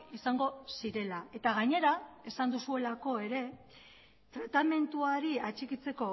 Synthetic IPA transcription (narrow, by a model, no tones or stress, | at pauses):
isaŋɡo̞siɾe̞lae̞t̪aɣaɲe̞ɾae̞sand̪usue̞lako̞e̞ɾe̞ | t̪ɾat̪ame̞nt̪uaɾiat͡ʃikit͡se̞ko̞